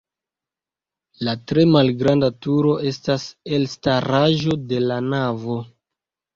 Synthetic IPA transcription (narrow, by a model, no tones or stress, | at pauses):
latɾe̞malɡɾandatuɾo̞ʔe̞staselstaɾaʒo̞de̞lanavo̞